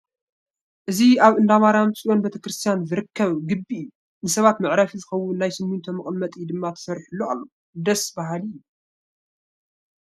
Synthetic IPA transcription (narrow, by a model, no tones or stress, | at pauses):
ʔɨziaβɨnd̪amaɾamsʼiʔo̞nbet̪ʰɐkɾɨst̪ʰijanzɨɾɨkʰːɐβɡɨbːiɨjːu | nɨsɐβat̪mɨʕɾafizɨxɐwːʊnːajsɨmːunt̪ʰomɨχʼnmɐt̪ʼjd̪ɨmːat̪ʰɐ̥sɐɾħulːoa̰lːo | d̪ɐsbaɦalːu